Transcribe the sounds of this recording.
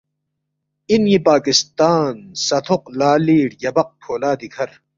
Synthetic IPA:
injipaːkist̪aːnsɐt̪ʰoqlaːliːɽjɐbɐq̚pʰoːlaːd̪ikʰɐɾ

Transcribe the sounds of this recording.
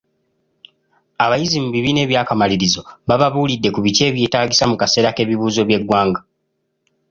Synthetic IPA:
aβajizimuβiβine̞ːβjaːkamaliɾizo̞βaβaβuːlidːe̞kuβice̞ːβjeːtaːɟisamukase̞ːɾake̞ːβiβuːzo̞βje̞ɡwaːŋɡa

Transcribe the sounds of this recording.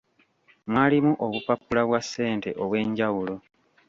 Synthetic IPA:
mwaːlimuʔoβupapːulaβwasːe̞ːnte̞ʔoβwe̞ːɲɟawulo̞

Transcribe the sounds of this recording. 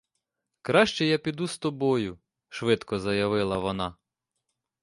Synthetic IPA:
kɾɑʃt͡ʃɛjapʲid̪ust̪ɔbɔjʊ | ʃʋɪt̪kɔzɐjɐʋɪlˠɐʋɔnɑ

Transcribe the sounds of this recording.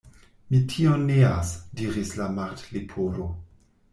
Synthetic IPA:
mitʰionːea̰sdiɾislamaɾtlipʰolo

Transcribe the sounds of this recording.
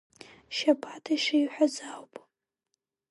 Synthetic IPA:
ʃapʰatʰaʃaiħʷᶣazawpʼ

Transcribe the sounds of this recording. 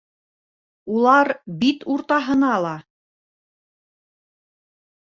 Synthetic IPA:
ulˠɑɾbit̪uɾt̪ɑɦɤ̆nɑlˠɑ

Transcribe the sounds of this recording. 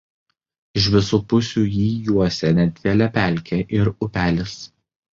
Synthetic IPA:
ɪʃ̬ʋʲɪsuːpʊsʲuːjiːjuɔsʲɛnʲɛd̪ʲʋʲeɛlʲɛpʲæˑlʲkʲʰeʔɪɾʊpʲæːlʲɪs

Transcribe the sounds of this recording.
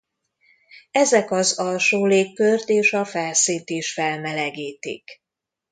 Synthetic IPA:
ɛzɛkɒzɒlʃoːleːkːørt̪eːʃɒfɛlsiːnt̪iʃfɛlmɛlɛɡiːt̪ḭk

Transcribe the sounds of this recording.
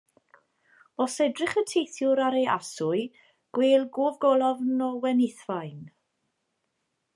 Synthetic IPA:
ɔsɛdrɪχətʰejθjʊɾaɾejasʊɨ | ɡ̥weːlˠɡoːvɡɔlˠɔvnɔwɛnɪθvajn

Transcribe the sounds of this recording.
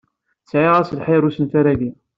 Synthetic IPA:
sʕiʁæsəlħeɾusənθaɾæɡi

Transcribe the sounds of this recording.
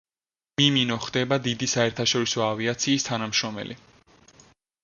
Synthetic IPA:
miminɔχd̪ɛbad̪id̪isaɛɾt̪ʰaʃɔɾisɔaviat̪sʰiːst̪ʰanamʃɾɔmɛ̰lʔi

